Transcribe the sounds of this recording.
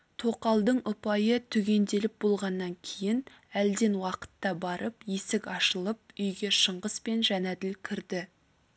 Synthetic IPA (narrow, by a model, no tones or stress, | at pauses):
t̪ʰo̞qɑlˠd̪əɴʊpɑjət̪ʰʏɡʲe̞nd̪e̞lɪp̚bo̞lˠʁɑnːɑŋkʲʰejjɪn | æld̪e̞nwɑqə̥t̪ːɑbɑɾəpje̞sɪkɑʃəlˠəp̚ʏjɡʲe̞ʃəɴʁəspe̞nʒænæd̪ɪlkʲʰɪɾd̪ɪ